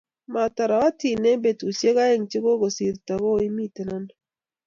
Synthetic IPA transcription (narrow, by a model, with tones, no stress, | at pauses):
ma˨ta˨ɾa˨wa˦ti˨ne˦be˨tu˨se˦ɣa˦e˦ŋt͡ʃɪ˦ɡo˦ɡo˨si˨ɾta˨ɡo˦i˦mi˦te˨na˦n